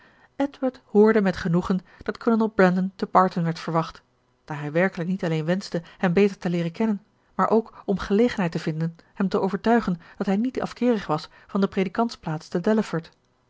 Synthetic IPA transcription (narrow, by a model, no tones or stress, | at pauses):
ʔɛdʋaɹthʊːɹdəmɛtχənuχənd̥ɑtkʰɔənəlˠbɹɛndəntəpɑːɹtənʋɛɹtfəɹʋɑχt | d̥aːɹɦɛjʋɛɹkələknitɑlejnʋɛnzdəhɛmbejtəɹtəlɪːrəkɛnən | maːɹʔowkɔmχəlejχənɦɛjtəv̥ɪndənhɛmtəʔowvəɹtœɥχənd̥ɑtɦɛjnitɑ̰fkɪːɾəχʋɑs | fɑndəprejdikɑntsplaːtstədɛləfəɹt